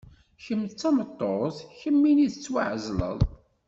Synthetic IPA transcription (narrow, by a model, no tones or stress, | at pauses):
çəmːt͡sːɑmət̪ˤːoθçəmːiniðət͡sːwaʕzlə̰ðˤ